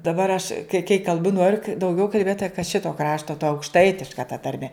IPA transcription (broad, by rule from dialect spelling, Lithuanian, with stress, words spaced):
dɐˈbɐr ɐʃ kɐɪ kɐɪ kɐlˠˈbʊ ˈnoːrʲʊ kɐ dɐʊˈɡʲɛʊ kɐlʲˈbʲeːt tɐ kɐ ˈʃʲɪtoː ˈkrɑːʃtoː tɐ ɐʊkʃˈtɐɪtʲɪʃkɐ tɐ tɐrʲˈmʲɛ